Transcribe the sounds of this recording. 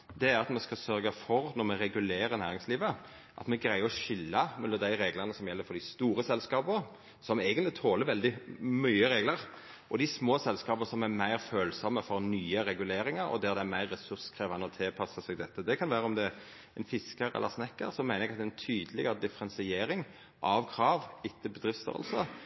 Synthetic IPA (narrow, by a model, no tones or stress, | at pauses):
d̪ɛæɾɑt̪mɛskɑsœɾɡɑfɔɾnɔmɛɾɛɡʉleːɾəɾnæːɾɪŋsliːʋə | ʔɑ̰t̪mɛɡɾæɪəɾɔʃʏlːɑmʉnːəd̪æɪɾeːɡlənəsɔmjɛlːəɾfɔd̪ɪst̪uːɾəsɛlskɑːbəɾ | sɔmeɪɡənt̪lɪt̪ʰoːləɾʋɛld̪ɪmyːəɾeːɡləɾ | ʔɔd̪ɪsmoːsɛlskɑːbəsɔmæɾmæɪʁføːlsɑmːəfɔɾnyːəɾɛɡʉleːɾɪŋɑɾɔ̰d̪æʁd̪ɛæmæɪʁːɛsʉɾskʰɾeːʋɑnəɔt̪ʰɪlpʰɑsəsɛɡd̪ɛt̪ːəd̪ɛkʰɑnʋæːɾəɔmd̪ɛ | ɛɪnfɪskəɾɛ̰lʔə̰snɛkːəɾsɔmæɪnɾɛɡɑt̪ɛɛnt̪ʰyːd̪əlɪɡəɾəd̪ɪfəɾɛnsɪeːɾɪŋ | ʔɑʋkʰɾɑːʋɪt̪ːəbəd̪ɾɪft̪st̪œ̰ːʁə̰lsə